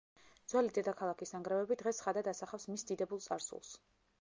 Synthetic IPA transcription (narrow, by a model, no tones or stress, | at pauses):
d̪z̥wɛlid̪ɛd̪akʰalˠakʰisaŋɡɾɛvɛbid̪ʁɛsχad̪ad̪asaχafsmisd̪id̪ɛbulˠt̪sʼaɾsṵlˠs